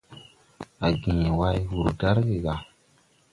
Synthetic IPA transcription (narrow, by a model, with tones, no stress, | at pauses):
a˨ɡĩ˨wa˦jwu˨ɾda˦ɾɡe˨ɡa˨